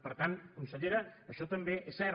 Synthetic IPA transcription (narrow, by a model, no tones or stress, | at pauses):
pəɾt̪ankunsəʎeɾəːʃɔt̪əmbeʔɛsːɛɾ